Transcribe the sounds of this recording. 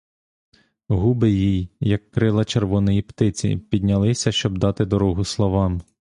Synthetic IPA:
ɦubɪjijjɐkːɾɪlˠɐt͡ʃerʋɔnɔjipt̪ɪt͡sʲḭpʲid̪̚ʲnʲɐlˠɪsʲɐʃt͡ʃɔb̚d̪ɑt̪ɪd̪ɔɾɔɦʊslˠɔʋɑm

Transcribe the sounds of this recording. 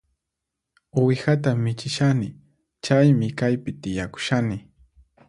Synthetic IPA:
ʊwɪxat̪amɪt͡ʃɪʃanɪ | t͡ʃajmɪkajpɪt̪ɪjakʊ̥ʃanɪ

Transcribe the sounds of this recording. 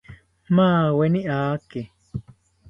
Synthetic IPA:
mãːwenĩʔaːke

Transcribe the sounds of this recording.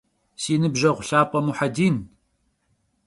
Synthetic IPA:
siːnɨbʒɐʁʷʊɬaːpʼɐmuħadiːn

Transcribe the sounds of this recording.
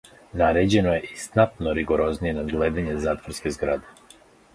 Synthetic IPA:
naɾed͡ʑenojeʔist̪nat̪noɾiɡoɾoznijenad̪ɡled̪aɲezaːt̪voɾskezɡɾad̪e

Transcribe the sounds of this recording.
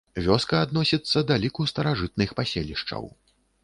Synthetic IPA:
vʲɔskɐːd̪nɔsʲit̪sːɐd̪alʲikust̪ɐɾaʐɨt̪̚nɨxpasʲelʲiʂt͡ʂɐ̰w

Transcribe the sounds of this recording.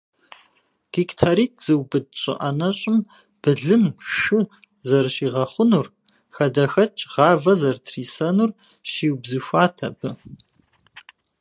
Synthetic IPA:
ɡ̥iktʰaɾiːt̚ʰz̥ɨwbɨd̚ɕʼɪ̰ʔɐnɐɕʼɪm | b̥ɨɮɨmʂɨ | zɐrʃiːʁɐχʷʊnur | xɐdɐxɐt͡ʃʼʁɑːvɐzɐrtʰriːsɐnuːr | ʃiːwbzɨɕʷaːtʰɐbɨ

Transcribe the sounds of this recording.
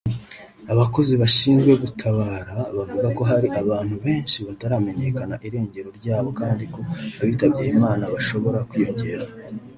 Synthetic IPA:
aβako̞ziβaʃiːnzɡwe̞ɡutʰaβaːɾaβavuɡako̞ɦaɾiʔaβaːn̥huβe̞ːnʃiβataɾaːme̞ɲe̞kanaʔiɾe̞ːɲɟe̞ɾo̞ɾɟaːβo̞kaːndiko̞βaβiːtaβɟiɾemaːnaβaʃo̞βo̞ɾakwiːjo̞ɲɟe̞ɾa

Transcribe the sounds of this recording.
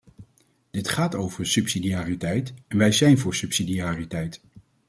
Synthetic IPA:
d̥ɪtχaːtowvəɹsɵpsidiaːritɛjtɛnʋɛjzɛjnvʊːɹsɵpsidiaːritɛjt

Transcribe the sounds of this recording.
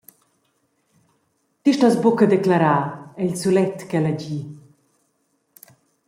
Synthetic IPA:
t̪iʃt̪azbokəd̪ɛklaɾaːɛʎsulɛt̪ːkɛlɛɟi

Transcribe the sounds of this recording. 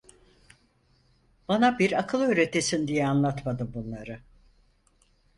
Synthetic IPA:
b̥anabiɾakʰɯlˠø̞ːɾe̞t̪ʰesind̪ijɛanlˠat̪mad̪ɯmbunlˠaɾɯ

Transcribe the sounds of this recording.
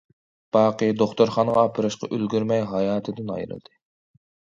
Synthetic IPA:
b̥ɑːqəd̪oχt̪oɾχɑnʁɑːpʰɨɾɨʃqɑ̰ʔølɡʲyɾmɛjɦɑjɑːt̪ʰɨd̪ɨnɑ̰jɾɨ̰lˠd̪̥ɨ

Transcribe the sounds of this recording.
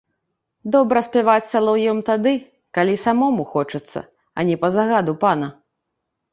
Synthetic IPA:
d̪ɔbɾɐsʲpʲɛvat͡sʲsalˠɔwjɔmt̪ad̪ɨ | kalʲisamɔmuxɔt͡ʂɨt̪sːɐ̰ | ɐ̰nʲɛpɐzaɣad̪upanɐ

